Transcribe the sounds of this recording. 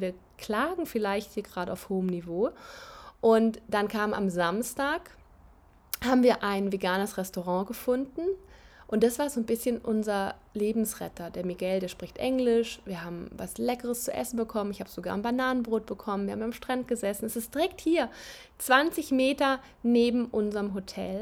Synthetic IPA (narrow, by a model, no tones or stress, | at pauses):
viːɐ | kʰl̥aːɡŋ̩fɪlaɪçthiːɐɡʁaːɾəaʊfhoːəmnivoː | ʔʊntd̥ankʰaːmma̰mzamstaːk | haːbm̩viːɐʔaɪnveɡaːnəsʁɛstoʁɑ̃ːɡəfʊndn̩ʔʊnt̚d̥asv̥aːɐzoːnbɪsçənʔʊnzɐ | leːbm̩sʁɛ̰tɐd̥eːɐmiɡɛldeːɐʃpʁ̥ɪçtʔɛŋlɪʃviːɐhaːbm̩va̰slɛkəʁəst͡suʔɛ̰sn̩bəkʰɔmənɪçhaːbəz̥oɡaːɐnbanaːnənbʁoːt̚b̥əkʰɔmənviːɐhːbmamʃtʁ̥ant̚ɡ̥əzɛsn̩ɛsɪst̚d̥iʁɛkthiːɐ | t͡sv̥ant͡sɪçmeːtɐ | neːbm̩ʔʊnzɐʁəmɦotʰɛ̰l